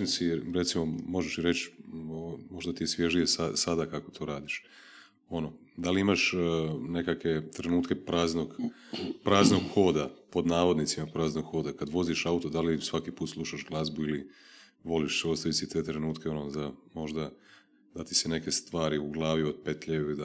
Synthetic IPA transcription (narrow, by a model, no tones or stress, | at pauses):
nsiɾɾe̞t̪simo̞mo̞ʒeʃiɾe̞t͡ʃomo̞ʒd̪at̪ijesʋje̞ʒnijesasad̪akako̞̥t̪ʰo̞ːɾaːd̪iʃ | o̞no | d̪aliimaʃne̞kakʋe̞t̪ɾe̞nuːt̪ke̞pɾaːznoɡpɾaːznoɡxo̞ːd̪apo̞d̪naːʋo̞d̪nit̪simapɾaːznoɡxo̞ːd̪akad̪ʋo̞ziʃaut̪o̞d̪alisʋakipuːt̪slˠuʃaʒɡlˠazbuili | ʋo̞liʃsost̪aʋisit̪e̞ːt̪ɾe̞nuːt̪keo̞nozamo̞ʒd̪a | d̪̥at̪i̥sene̞ke̞st̪ʋaːɾiuɡlˠaːʋio̞d̪̚pe̞t̪ʎeʋid̪a